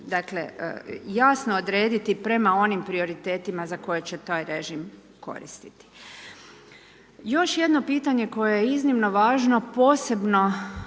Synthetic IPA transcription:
d̪akle̞̰jaːsnood̪ɾeːd̪it̪ipɾe̞mao̞nimpɾio̞ɾit̪e̞ːt̪imazako̞jet͡ɕe̞t̪aːjɾeʒim | ko̞̰ɾḭst̪i̥t̪i̥ | jo̞ʃje̞d̪no̞piːt̪aɲe̞ko̞jejeiznimno̞ʋaːʒno̞po̞ːse̞bno̞

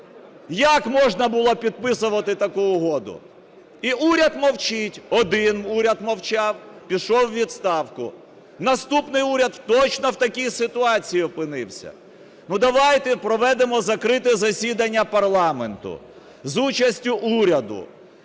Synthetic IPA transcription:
jakmɔʒnɐbʊlˠɔpʲid̪̚pɪsʊʋɐt̪ɪt̪ɐkuʊɦɔd̪ʊ̰ | iʔuɾʲɐd̪mɔwt͡ʃɪtʲɔd̪ɪnuɾʲɐd̪mɔwt͡ʃɑwpʲiʃɔwːʲid̪st̪ɑwkʊ | nɐst̪upnɪjuɾʲɐd̪t̪ɔt͡ʃnɔwt̪ɐkʲijsɪt̪ʊɑt͡sʲijiɔpɪnɪwsʲɐ̰ | nud̪ɐʋɑjt̪ɛpɾɔʋɛd̪emɔzɐkɾɪt̪ɛzɐsʲid̪ɐnʲːɐpɐrlˠɑment̪ʊ̰ | zut͡ʃɐsʲtʲʊʔuɾʲɐd̪ʊ̰

